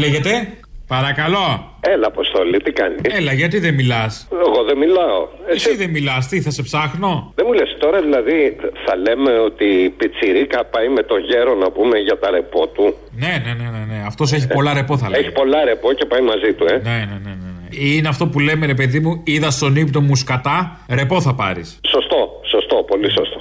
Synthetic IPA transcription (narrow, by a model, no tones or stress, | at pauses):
leʝe̞t̪e̞ | pɐɾɐkɐlo̞ | elɐːpost̪olit̪ikɐnielɐʝɐt̪̬iðemilɐseɣoðemilɐo̰esiðemilɐst̪iθɐse̞psɐxno̞ðemulest̪o̞ɾɐðilɐðiθɐle̞me̞o̞t̪ipit͡siɾikɐpɐjme̞t̪o̞ʝe̞ɾo̞nɐpume̞ʝɐt̪ɐɾe̞po̞t̪u | ne̞ne̞ne̞ne̞ne̞ɐft̪o̞s̬e̞çipo̞lɐɾe̞po̞θɐleçi̥po̞lɐɾe̞po̞ce̞pɐjmɐzit̪uene̞nene̞neeineɐft̪o̞pule̞me̞ɾe̞p̬e̞ðimuiðɐst̪onipnomuskɐt̪ɐ | ɾe̞po̞θɐpɐɾisso̞st̪o̞so̞st̪o̞po̞lisost̪o